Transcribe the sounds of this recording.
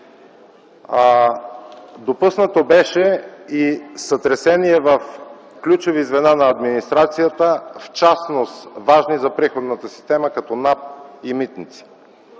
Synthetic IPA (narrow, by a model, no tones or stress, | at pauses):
d̪opusnət̪obɛʃɛisət̪ɾɛsɛniɛvəf | klʲut͡ʃovizvɛnanɐːd̪minist̪ɾat̪sijət̪əft͡ʃasnost̪vaʒnizɐpɾixod̪nət̪əsi̥st̪ɛməkɐt̪ɔnap̚imit̪nit̪si̥